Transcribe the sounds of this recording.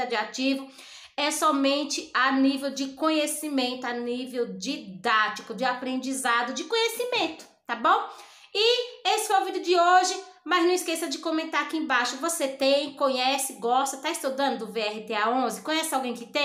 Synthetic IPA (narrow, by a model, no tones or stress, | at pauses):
ad͡ʒiat͡ʃivʊ | ɛsɔmẽnt͡ʃɪanivewd͡ʒɪkõɲesimẽnt̪ʊanivewd͡ʒid̪at͡ʃikʊd͡ʒɪapɾẽnd͡ʒizad̪ʊd͡ʒɪkõɲesimẽt̪ʊ̥t̪abõw̃ | ɪesɪ̥foojovĩd̪ʊd͡ʒɪoʒɪ | mɐznɐ̃w̃iskesɐd͡ʒɪkõmẽnt̪aɾakiẽbajʃʊvoset̪ẽj̃kõɲɛsɪɡɔst̪ɐt̪aist̪od̪ɐ̃nd̪ʊd̪ʊbeɛhɪt̪eaõzɪkõɲɛsɪawɡẽj̃kɪt̪ẽ